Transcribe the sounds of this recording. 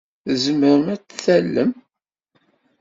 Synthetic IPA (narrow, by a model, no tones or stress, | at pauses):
zəməɾəmæt͡sːθælːəm